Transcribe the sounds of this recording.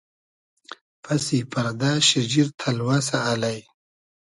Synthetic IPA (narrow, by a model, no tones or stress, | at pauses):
pʰɐsipɐɾd̪aːʃid͡ʑiɾt̪ʰɐlwas̬aːlaj